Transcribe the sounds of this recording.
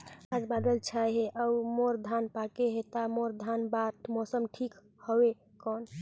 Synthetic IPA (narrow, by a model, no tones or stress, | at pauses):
ad͡ʒbad̪əlt͡ʃʰajɦeʔəmoɾd̪ʱanpakeɦet̪amoɾd̪ʱanbaʈʰmɔsəmʈʰik | hɔwe | kɔn